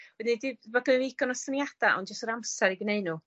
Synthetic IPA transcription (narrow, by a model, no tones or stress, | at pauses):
wɛdinidɪbvəɡəiɡɔnɔsənjad̥aʔɔ̰ndd͡ʒəstəɾamsɛɾiɡneɨnu